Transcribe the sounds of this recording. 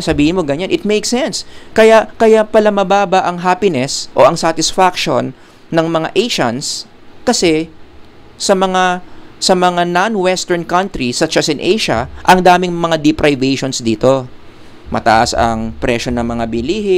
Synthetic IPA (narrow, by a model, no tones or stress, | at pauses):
sɐbiːhɪnmo̞ɡɐɲanʔɪt̪̚mejksɛnskɐjaʔkɐjaʔpɐlamɐbaːbɐʔɐŋɦaːpɪnɛsʔo̞ʔɐŋsat̪ɪsfakʃo̞nː | ɐŋmɐŋa̰ʔejʃɐns | kɐsɛ | sɐmɐŋasɐmɐŋananwɛst̪ɛɹnkɐnt̪ɾisɐʃasɪnʔejʃɐ̰ʔɐŋd̪aːmɪŋmɐŋad̪ɪpɾʔajvɛjʃonsd̪iːt̪o̞ | mɐ̰t̪ɐ̰ʔa̰sɐ̰ŋpɾɛʃo̞nɐŋmɐŋabɪliːhɪ